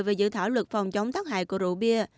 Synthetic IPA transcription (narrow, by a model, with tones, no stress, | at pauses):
jve˨˩zɨ̰˧˨t̪ʰaː˧˩wlwə˨˩t̚fa˨˩wŋ͡mt͡ɕə˨˦wŋ͡mt̪aː˦˥k̚ha̰ː˧˨jku˧˩əzṵ˧˨ɓi˧ə